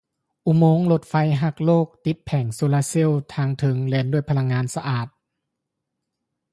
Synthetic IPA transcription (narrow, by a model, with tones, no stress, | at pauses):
ʔu˧˩moː˧˥ŋlo˧˦t̪̚fa˧jɦa˧˩k̚loː˥˩k̚t̪i˧˦t̪̚pʰɛ˨˩ŋsoː˧laː˧si˧˥˨wt̪ʰaː˧ŋt̪ʰɯ˨˦ŋleː˧˥ndu˥˩əjpʰa˧la˧ŋːaː˧˥nsa˧ʔaː˨˩t̪̚